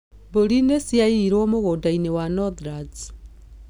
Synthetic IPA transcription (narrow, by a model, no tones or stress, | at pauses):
βoɾinesiaiɾoːmoɣoːdainewanɔðɾad͡z